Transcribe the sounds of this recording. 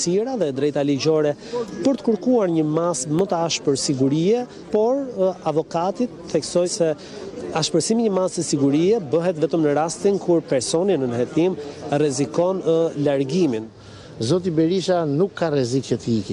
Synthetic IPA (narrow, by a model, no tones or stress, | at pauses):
siɾaðɛd̪ɾɛjt̪aliɟɔɾɛ | pəɾt̪ə̥kəɾkuaɾɲəmasmət̪əaʃpəɾsiɡuɾiɛ | pɔɾavɔkat̪it̪θɛksɔjsɛ | aʃpəɾsimiɲəmast̪əsiɡuɾiɛbəɦɛt̪vɛt̪əmnəɾast̪inkʰuɾpɛɾsɔninənhɛt̪imrɛzikɔnəlaɾɡimin | zɔt̪̬ibɛɾiʃanukʰːarɛzicɛt̪ikɛ